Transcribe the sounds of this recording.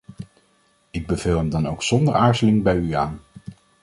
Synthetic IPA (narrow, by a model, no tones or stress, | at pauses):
ɪɡ̚bəv̥ɪlˠɦəmdɑnowksɔndəɹaːɹzəlɪŋbɛjyaːn